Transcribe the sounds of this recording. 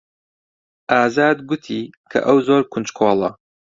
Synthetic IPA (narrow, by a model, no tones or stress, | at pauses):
ʔaːzaːd̪ɡʊt̪ʰiːkʰɐ̰ʔɐwzoːɾkʰʊnt͡ʃkʰoːlˠɐ